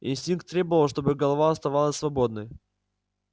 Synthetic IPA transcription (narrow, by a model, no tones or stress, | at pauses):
ɪ̰nʲsʲtʲink̚t̪ːɾʲebəvəlˠʂt̪obɨɡəlˠɐvaɐst̪ɐvalˠəsʲsvɐbod̪nəj